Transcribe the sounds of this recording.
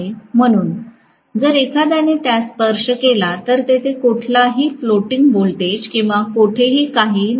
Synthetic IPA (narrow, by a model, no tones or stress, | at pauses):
em̤əɽ̃uːn | d͡zəɾekʰad̪̬janet̪jaspəɾʂəkelat̪əɾt̪et̪ʰekuʈʰlaɦiːfloʈiŋɡbolt̪ed͡ʑkĩw̃ʋakoʈʰeɦiːkaɦiːn